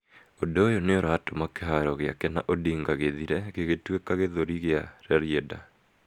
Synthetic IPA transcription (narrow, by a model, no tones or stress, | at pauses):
odoːjoneoɾaːtomakeɦaɾɔɣeakɛna̰ʔodiːŋɡaɣeðiɾɛɣeɣetwekaɣeðoɾiɣeaɾaɾieda̰